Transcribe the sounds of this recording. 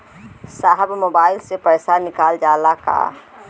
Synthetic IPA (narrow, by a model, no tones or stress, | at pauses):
saːɦəbmoːbaːɪlsepɐɾsanɪkaːld͡ʒaːlaka̰